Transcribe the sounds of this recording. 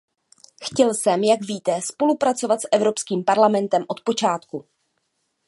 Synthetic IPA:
xcɛlsɛmjaɡviːt̪ɛspo̞lupɾat͡so̞vat̪sʔɛvɾo̞pskiːmpaɾlamɛnt̪ɛmʔo̞t̪̚po̞t͡ʃaːt̪ku

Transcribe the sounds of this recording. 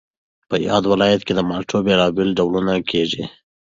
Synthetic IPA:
pəjɑd̪wɪlɑjat̪ked̪əmɑʈʰobelɑbɪlɖawlunakʰeʐḭ

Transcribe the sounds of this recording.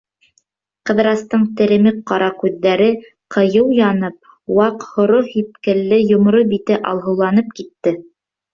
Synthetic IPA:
qɤ̆ðɾɑst̪ɤɴt̪ɘ̆ɾɘ̆mɘk̚qɑɾɑkʉðːæɾɘ | qʰɤ̆jɤwjɑnɤp̚ | wɑqhŏɾohip̚kɘ̆lːɘjŏmɾobit̪ɘʔɑlˠɦɤ̆wlˠɑnɤp̚kit̪ːɘ

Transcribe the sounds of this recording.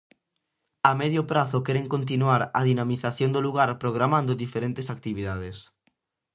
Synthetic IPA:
amɛðjʊpɾaθʊkɛɾeŋkont̪̬inuaɾaðinamiθaθjond̪oluɣaɾpɾoɣ̞ɾamãnd̪ʊðifeɾent̪esak̚t̪iβiðað̞es

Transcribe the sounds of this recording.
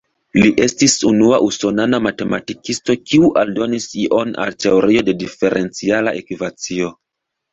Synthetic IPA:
liʔe̞stisunuaʔuso̞nanamate̞matikisto̞kiuʔaldo̞nisiʔo̞na̰lte̞oɾio̞de̞dife̞ɾʔe̞nt͡sialaʔekvivat͡sio̞

